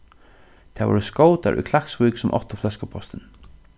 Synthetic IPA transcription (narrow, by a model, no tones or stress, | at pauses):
t̪ʰavɔ̰ɾskoːwt̪a̰ɾʔṵjkʰlaksvujksʊmʔɔ̰ht̪ɔflɛskəpʰɔst̪ɪn